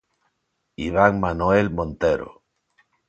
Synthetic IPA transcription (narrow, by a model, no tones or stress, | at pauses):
iβ̞aŋmanoelmõnt̪eɾo̰